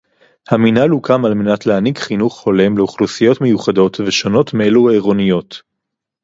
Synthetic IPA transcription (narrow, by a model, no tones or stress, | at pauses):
haminalukʰamalme̞natleaniɡχinuχːo̞le̞mleuχlusijo̞tme̞juχado̞tveʃo̞no̞tmeelueʁo̞nijo̞t